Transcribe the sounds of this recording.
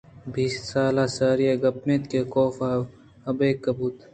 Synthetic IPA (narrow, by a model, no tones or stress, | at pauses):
biːssaːlaːsaːɾijeːɡɐp̚meːt̪keːkoːfaː | ɐbeːkːɐbuːt̪